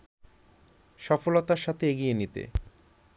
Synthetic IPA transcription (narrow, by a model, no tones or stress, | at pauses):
ʃɔfolot̪aɾʃat̪ʰeeɡijenit̪ḛ